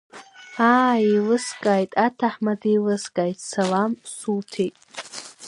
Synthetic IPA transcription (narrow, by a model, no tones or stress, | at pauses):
aːilɨskʼaːjtʼatʰaħmadijlɨskʼajtʼsalamsutʰejtʼ